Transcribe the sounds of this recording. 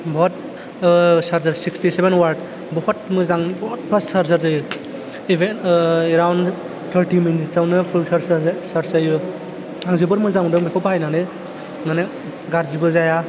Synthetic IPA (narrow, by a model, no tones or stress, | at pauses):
bɔɔt̚ | saɾzaɾsikstisebenwaɾd | bɔhɔt̚mɯzaŋbɔhɔt̚pʰassaɾzaɾzaju | ibenɾawn | tʰaɾʈiminitsawnɯpʰulsɾsaɾsaju | aŋzibɯɾmɯzaŋdɔŋbikʰɔphajnanɯ | mane | ɡaɾzibɯzaja